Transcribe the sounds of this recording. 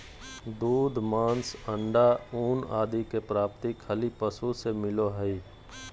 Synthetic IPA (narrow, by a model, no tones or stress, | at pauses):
d̪uːd̪ʱmãːnsə̃ɳɖauːnaːd̪ikepɾaːp̚t̪ikʰəlipəsusemɪloɦəi